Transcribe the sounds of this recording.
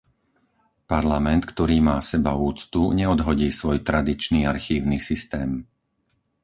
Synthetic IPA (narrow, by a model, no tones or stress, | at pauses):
paɾlamɛnt̪kt̪ɔɾiːmaːsɛbauːt͡st̪uɲɛɔd̪ɦɔɟiːsʋɔjt̪ɾad̪it͡ʃniːaɾxiːʊnisist̪ɛːm